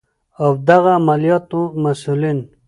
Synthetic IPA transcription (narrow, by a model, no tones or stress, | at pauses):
awd̪aɣaːmalijɑt̪ũmasulin